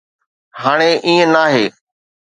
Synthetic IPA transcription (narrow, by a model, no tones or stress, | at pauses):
ɦaːɽ̃eʔĩːə̃naːɦeː